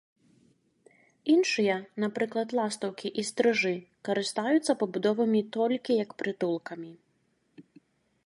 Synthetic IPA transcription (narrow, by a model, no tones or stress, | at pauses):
inʂɨjɐnapɾɨklˠɐd̪lˠast̪ɐwkʲiʔist̪ɾɨʐɨkɐɾɨst̪ajut̪sːɐpɐbud̪ɔvɨmʲit̪ɔlʲkʲijɐkpɾɨt̪ulˠkɐmʲi